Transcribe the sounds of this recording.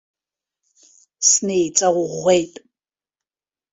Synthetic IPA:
snejt͡sʼɐʁʷʊʁʷejtʼ

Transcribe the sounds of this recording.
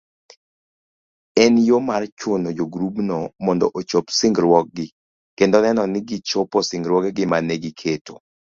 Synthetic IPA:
ɛnjomart͡ʃonod͡ʒoɡɾubnɔmɔndɔ̰ʔot͡ʃopsɪŋɡɾwɔk̚ɡɪ | kendɔnɛnɔnɪɡɪt͡ʃopɔsɪŋɡɾwɔkɡɪmanɛɡikʰeto̰

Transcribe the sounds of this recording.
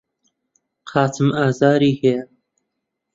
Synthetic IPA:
qʰɑːtʰɨmaːzaːɾiːhejɐ

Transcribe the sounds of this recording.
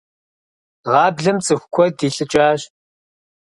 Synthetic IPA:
ʁɑːbɮɐmt͡sʼɨxʷkʷʰɔdiːɬʼɨt͡ʃʼaːɕ

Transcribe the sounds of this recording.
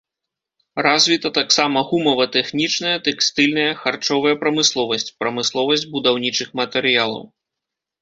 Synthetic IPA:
razʲvʲit̪ɐt̪aksamɐɣumɐvɐt̪ɛxnʲit͡ʂnɐjɐt̪ɛkst̪ɨlʲnɐjɐxart͡ʂɔvɐjɐpɾɐmɨslˠɔvɐsʲt͡sʲpɾɐmɨslˠɔvɐsʲd͡zʲbud̪awnʲit͡ʂɨxmɐt̪ɛɾɨjalˠɐ̰w

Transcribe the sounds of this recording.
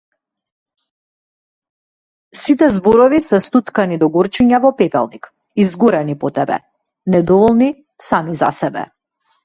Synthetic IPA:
sit̪ɛzbɔɾɔvisɛst̪ut̪kanid̪ɔɡɔɾt͡ʃiɲavɔpɛpɛ̰lˠnik | izɡɔɾɛnipɔt̪ɛbɛ̰ | nɛd̪ɔvɔlˠni | samiza̰sɛbɛ̰

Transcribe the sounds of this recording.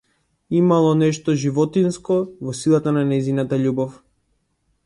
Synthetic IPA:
imalˠɔnɛʃt̪ɔʒivɔt̪inskɔvɔsilˠat̪ananɛjzinat̪aʎubɔf

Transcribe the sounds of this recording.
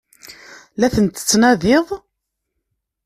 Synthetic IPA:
læθənt̪ə̥t͡sːnæðɪðˤ

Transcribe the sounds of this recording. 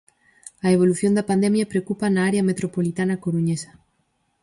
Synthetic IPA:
aeβ̞o̞luθjond̪apand̪emjapɾeokupanaaɾeamet̪ɾopolit̪anakoɾuɲesḁ

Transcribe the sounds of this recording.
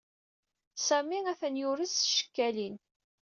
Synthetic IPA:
sæmiæθənjʊɾisʃə̥kːælin

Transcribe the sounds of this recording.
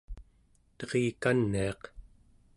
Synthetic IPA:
t̪ʌʁiːkanːiɑq

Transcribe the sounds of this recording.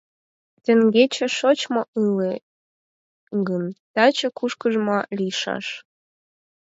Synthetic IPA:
t̪ĕŋɡet͡ɕĕʃot͡ɕmoʔɯle | ɡənt̪ɑt͡ɕekuʃkəʒmɑlijʃɑ̰ʃ

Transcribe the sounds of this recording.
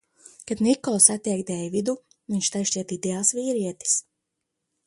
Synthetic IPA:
kad̪nikɔlˠsat̪ʲiɛkd̪ɛjvid̪u | viɲʲʃt̪ajʃt͡ʃiɛt̪id̪ɛalˠsviːɾiɛt̪i̥s

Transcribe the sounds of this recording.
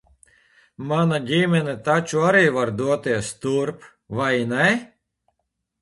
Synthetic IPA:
manaɡʲimʲɛnɛt̪at͡ʃuaɾiːvaɾd̪uɔt̪iɛst̪uɾp | vajnɛ

